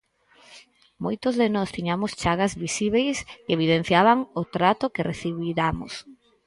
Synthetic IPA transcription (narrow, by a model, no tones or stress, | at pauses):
mojt̪ʊzðenɔst̪iɲamʊst͡ʃaɣazβisiβ̞ejskeβiðen̟θjaβaŋʊt̪ɾat̪ʊkereθiβiɾamo̰s